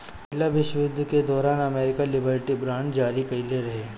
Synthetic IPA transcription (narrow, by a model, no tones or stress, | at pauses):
ɪlaʋɪʃʋʊd̪ʱːked̪ɔːɾaːnɐmeːɾɪkalɪbəɾʈibɾãːɳd͡ʒaːɾikɐileɾɐɦeː